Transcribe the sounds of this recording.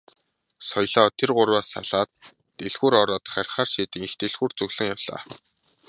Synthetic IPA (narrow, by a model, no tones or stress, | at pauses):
sɔjɮɔːt̪ʰerɢʊrwaːsa̰ɮaːt̪ː | eɮxuːɾɔɾɔːt̪χæɾ̆ʲχaːrʃiːt̪ɘ̆ŋixt̪eɮxuːrt͡sɵɣɮə̆ŋjawɮa̰ː